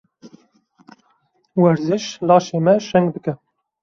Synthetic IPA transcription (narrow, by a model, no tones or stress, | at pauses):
wɛɾzɪʃlɑːʃeːmɛʃɛŋɡd̪ɨkɛ